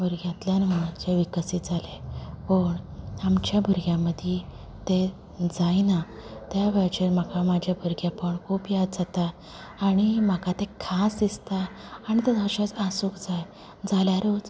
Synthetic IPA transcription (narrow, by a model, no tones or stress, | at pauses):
bʱuɾɡjãt̪ljanməd͡ʑeʋikəsit̪d͡zʱalepəɳamt͡ɕjabʱuɾɡjãməd̪ʱje | t̪e | d͡zajnat̪jaʋɛɭt͡ɕeɾməkamad͡ʑʱabʱuɾɡjapəɳkʰuːpjad̪̚d͡zat̪aː | ɽ̃im̤əkat̪ekʰasd̪ist̪aːñit̪ed̪aɕat͡sasuːkd͡zaj | d͡zaljaɾot͡s